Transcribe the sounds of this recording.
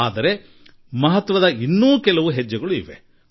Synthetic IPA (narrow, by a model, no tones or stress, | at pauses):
aːd̪ɐɾe̞ | mɐɦɐt̪ːʋɐd̪ɐinːuːkɛlɐʋuɦɛd͡ʒːɐɡɐɭuiʋe̞̰